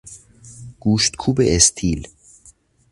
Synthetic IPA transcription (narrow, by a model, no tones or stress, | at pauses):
ɡ̥uːʃt̪kʰuːbeest̪ʰiːl